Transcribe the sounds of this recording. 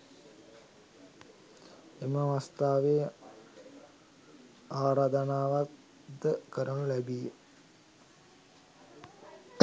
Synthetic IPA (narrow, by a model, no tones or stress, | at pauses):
eməʋast̪aːʋe | aːɾaːd̪ɐnaːʋat̪ | d̪əkəɾənulæbije | t̪